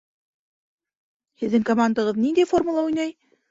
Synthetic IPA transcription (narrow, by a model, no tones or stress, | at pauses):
hɘ̆ðːɘŋkomand̪ɑʁɤðnind̪æjfo̞rmulˠɑujnɑj